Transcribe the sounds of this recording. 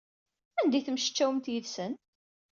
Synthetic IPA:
ænd̪æjθəmʃə̥t͡ʃːæwəmt̪jəðsən

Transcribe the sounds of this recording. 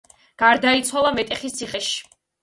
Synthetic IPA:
ɡ̥aɾd̪ait̪sʰwalˠamɛt̪ʼɛχist̪sʰiχɛʃi̥

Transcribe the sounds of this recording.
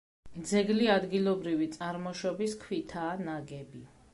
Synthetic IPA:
d̪zɛɡliad̪ɡilˠɔbɾivit̪sʼaɾmɔʃɔbiskʰwit̪ʰaːnaɡɛbi

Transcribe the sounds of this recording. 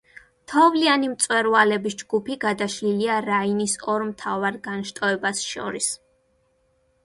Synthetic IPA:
t̪ʰɔvlianimt̪sʼwɛɾvalɛbisd͡ʒɡupʰiɡad̪aʃliliaɾainisɔɾmt̪ʰavaɾɡanʃt̪ʼɔɛbasʃɔ̰ɾis

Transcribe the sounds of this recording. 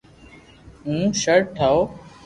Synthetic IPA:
ũːʃəɾʈʰaoː

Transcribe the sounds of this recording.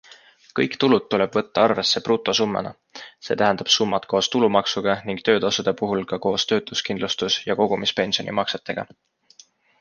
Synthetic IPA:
kɤ̰jkt̪ulud̪̚t̪ːule̞b̥vɤ̞t̪ːɑɑrve̞sːe̞pruːt̪ːˑo̞sumːḛnɑ̰ | se̞ːt̪æɦænd̪̥ɑb̥sumːɑt̪ko̞ːst̪ulumɑksuɡ̥ɑniŋɡ̥t̪ø̞ːd̪̥osud̪̥epuɦulkɑko̞ːst̪ø̞ːt̪luskind̪lust̪usjɑko̞ɡ̥umispe̞nʲsio̞nimɑkset̪ːˑe̞ɡ̥ɑ̰

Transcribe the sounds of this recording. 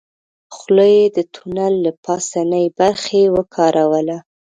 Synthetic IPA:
xləjed̪ət̪ʰunalːapɑsanəjbaɾxewəkʰɑɾʔawəla

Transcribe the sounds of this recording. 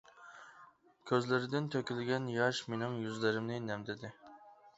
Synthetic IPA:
kʲʰøzlɪɾɪd̪ɪnt̪ʰøkʲilɡʲɛnjɑʃmenɪŋjyzlɪɾɪmnɪnɛmd̪ɪd̪ɪ

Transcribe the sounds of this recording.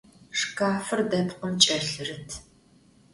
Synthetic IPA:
ʂkaːfɨrdɐtʰqəmt͡ʃʼɐrɬɨrɨtʰ

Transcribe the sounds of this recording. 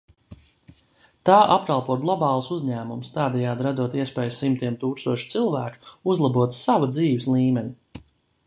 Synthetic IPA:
t̪aːʔapɾalˠpuɔɡlˠɔbɑːlˠsuzɲæːmumst̪aːd̪ɛjaːd̪ɾad̪uɔt̪iɛspɛːjsimt̪iɛmt̪uːkst̪uɔʃi̥t̪silˠvæːku̥uzlˠabuɔt̪savad̪ziːʋɪslˠiːmɛnʲi

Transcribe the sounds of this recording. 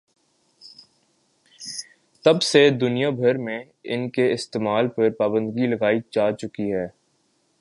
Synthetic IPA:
t̪ɐbsed̪ʊnijabʱɐɾmẽ | ɪnkeɪst̪eːmaːlpɐɾpaːbə̃nd̪ɡilɐɡaːit͡ʃaːt͡ʃʊkiɦɛː

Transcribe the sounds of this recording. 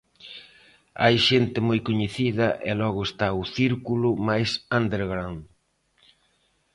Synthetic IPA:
a̰jʃent̪ɪmojkoɲeθiðɐʔɛ̰lɔɣʊest̪aʊθiɾkulʊmajsãnd̪eɾɣɾan

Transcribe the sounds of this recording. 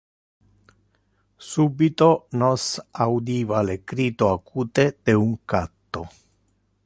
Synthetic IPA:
subit̪onɔsawd̪iːvalekɾiːt̪oakuːt̪ed̪̥euŋkat̪ːo

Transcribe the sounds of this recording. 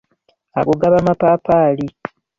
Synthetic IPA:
a̰ɡoɡaβamapaːpaːli

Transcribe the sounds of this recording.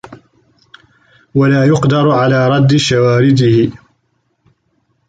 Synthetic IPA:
walaːjʊqd̪ɑɾˤʕalaːɾˤɑd̪ːɪʃawaːɾɪd̪ɪhɪ

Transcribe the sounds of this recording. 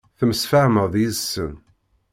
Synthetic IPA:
θəməsfaʕməðˤjisːə̰n

